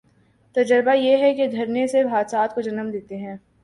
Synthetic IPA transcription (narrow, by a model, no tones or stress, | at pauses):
t̪ɐd͡ʒəɾbajeɦɛked̪ʱɐɾnesebʱaːd̪saːt̪̚kod͡ʒɐnəmd̪eːt̪eɦɛ̃ː